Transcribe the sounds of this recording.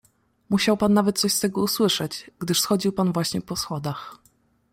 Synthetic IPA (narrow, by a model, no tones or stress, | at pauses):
muɕawpanːavɛt̪̚t̪sɔɕst̪ɛɡɔuswɘʂɛt͡ɕɡ̥d̪ɘʂsxɔd͡ʑiwpanvwaɕɲɛpɔsxɔd̪ax